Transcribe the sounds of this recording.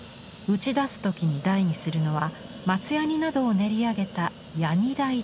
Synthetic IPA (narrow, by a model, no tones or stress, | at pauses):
ɯ̟t͡ɕid̪asɨ̥t̪o̞kʲiɲ̟id̪aiɲ̟isɨɾɯ̟no̞βa | mat͡sɨjaɲ̟ʲinad̪o̞ːne̞ɾʲiaɡe̞t̪a | jaɲ̟id̪ai